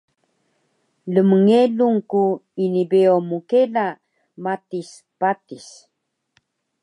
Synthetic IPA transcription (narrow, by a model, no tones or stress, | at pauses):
ləməŋeluŋkuinibeomukela | matis | patis